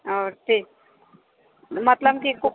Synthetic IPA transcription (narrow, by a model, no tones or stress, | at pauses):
ɔːɾt̪ʰiː | mɐt̪ləbkiku